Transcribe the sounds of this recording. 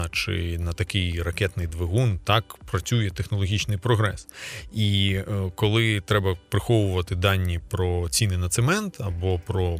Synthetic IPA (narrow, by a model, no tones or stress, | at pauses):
t͡ʃɪ̰nɐt̪ɐkɪjrɐkɛt̪nɪjd̪ʋeɦunt̪ɑkpɾɐt͡sʲujɛt̪exnɔlˠɔɦʲit͡ʃnɪjpɾɔɦɾɛsikɔlˠɪt̪ɾɛbɐpɾɪxɔʋʊʋɐt̪ɪd̪ɑnʲːipɾɔt͡sʲinɪjnɐt̪semɛnt̪ʰɐbɔpɾɔ